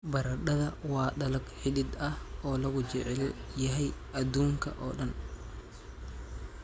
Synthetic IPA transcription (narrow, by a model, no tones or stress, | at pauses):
bɐɾɐɗɐðɐwɑːɖɐlɐɡħɪdɪd̪ɐhɔːlɐɣʊt͡ʃɛʕɛljɐɦɛjʔɐd̪uːŋkʰɐ̰ʔɔ̰ːɗɐn